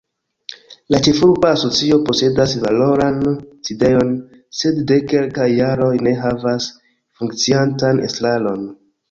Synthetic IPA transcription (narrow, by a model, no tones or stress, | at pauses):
lat͡ʃe̞fuɾbaːso̞t͡sio̞po̞se̞dasvalo̞ɾanside̞jo̞n | se̞dːe̞ke̞lkajːaɾo̞jne̞ɦavas | fuŋkt͡siantanḛstlalo̞n